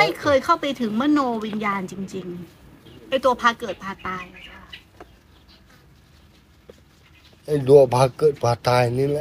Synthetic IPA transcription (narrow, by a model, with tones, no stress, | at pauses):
a˥˩jkʰɤː˧jkʰa˥˩wpa˧jt̪ʰɯ˩˦ŋmɯ˥˩˨noː˧wi˧njaː˧nt͡ɕi˧ŋt͡ɕi˧ŋ | ʔa˧˥˩jt̪u˧ɐpʰaː˧kɤː˨˩t̪̚pʰaː˧˩t̪aː˧jʰ | ʔa˧˥˩jd̪u˧ɐpʰaː˧kɤː˨˩t̪̚kaː˧t̪aː˧jni˧˥l